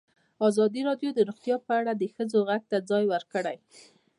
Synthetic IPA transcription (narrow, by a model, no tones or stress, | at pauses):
ɑzɑd̪iɾɑɖjod̪əɾʊxt̪jɑpəaɽad̪əxəd͡zoɣaɡ̚t̪ad͡zɑjwəɾkəɽaj